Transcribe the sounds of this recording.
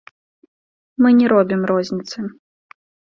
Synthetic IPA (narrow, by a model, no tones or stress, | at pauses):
mɨnʲɛɾɔbʲimrɔzʲnʲit̪sɨ